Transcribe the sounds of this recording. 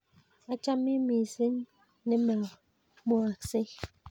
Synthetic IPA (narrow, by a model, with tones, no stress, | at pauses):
a˦t͡ʃa˦mi˦mi˨se˦n | ne˦ma˨ŋ˨ | mo˦a˨kse˦